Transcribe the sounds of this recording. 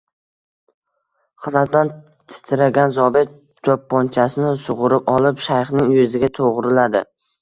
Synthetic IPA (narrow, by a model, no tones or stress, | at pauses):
χɨzat̪̚d̪an | t̪ʰɪ̥t̪ʰɪɾaɡʲanzɒbet̪̚ | t͡ʃʰɒpːɒnt͡ʃʰasɪnɪsʊʁʊɾɪpɒlˠɪpʃajχnɪŋjɵzɪɡʲat̪ʰoʁɾɪlad̪ɪ̰